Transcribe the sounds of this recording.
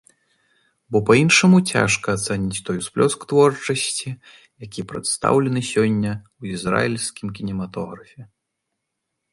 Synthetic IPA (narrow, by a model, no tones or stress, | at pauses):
bɔpainʂɐmut͡sʲa̰ʂkɐːt̪sɛnʲit͡sʲt̪ɔjsplʲɔskt̪vɔrt͡ʂɐsʲt͡sʲi | jakʲipɾɐ̰t̪st̪a̰wlʲɛnɨsʲɔnʲːɐwizra̰jilʲskʲimkʲinʲɛmat̪ɔɣɾɐfʲɛ